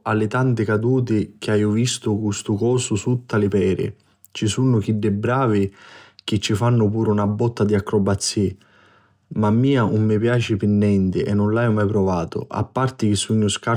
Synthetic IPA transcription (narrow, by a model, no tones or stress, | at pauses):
alːɪt̪ant̪ɪkad̪uːt̪ɪk̟ɪaːjʊvist̪ʊkust̪ʊkɔːsʊsut̪ːalɪpɛːɾɪ̰ | t͡ʃisunʊk̟iɖːɪbɾaːvɪk̟ɪt͡ʃːifanːʊpuːɾunabːɔt̪ːad̪iakːɾɔbat̪sːi | mamːiːanʊmːɪpjaːt͡ʃɪpɪnːɛnt̪ɪʔɛnːʊnlajʊmajpɾɔvaːt̪ʊ̰ʔa̰pːart̪ɪk̟ɪsːuɲːʊska